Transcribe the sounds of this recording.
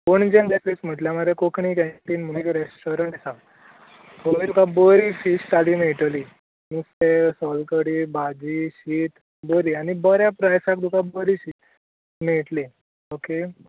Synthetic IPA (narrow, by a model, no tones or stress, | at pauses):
koɳd͡ʑẽnd̪esɾesm̤əʈljamaɾekokʰɳiːkɛ̃ʈ̪inm̤ənikɾesʈoɾəɳʈsa | t̪omid̪ukabəɾifiɕt̪aliːmeʈəli | misesɔlkəɽiːbad͡ʑiːɕiːt̪ | bəɾiːañibəɾjapɾajsak̚d̪ukabəɾiɕit̪ | meʈli | oke